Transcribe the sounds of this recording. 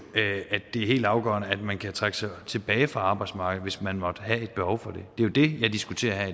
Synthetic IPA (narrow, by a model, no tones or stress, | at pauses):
æd̥ːe̝æɐɦe̝̰ːld̥ɑ̈ʊɡ̥ɶ̰ɐnəæd̥mænkʰæt͡sʰʁaɡ̥əsɑ̈ɪt͡sʰe̝b̥ɛːɪfʁɑ̈ɑ̈ːb̥ɑ̈ɪd̥smɑ̈ːɡ̥ð̩ˠʋe̝smænmɒ̽d̥ɦæe̝d̥̚b̥ehɒʊfɒ̽d̥e̝d̥e̝jod̥e̝jɑ̈ɪd̥isɡ̥ut͡sʰe̝̰ːɐɦæ